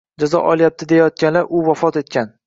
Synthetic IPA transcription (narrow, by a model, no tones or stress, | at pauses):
d͡ʒazɒ̰ʔɒlˠijap̚t̪ʰɪd̪e̞jajɒt̪̚kʲanlaɾʔʊvɒfɒt̪e̞t̪̚kʲʰan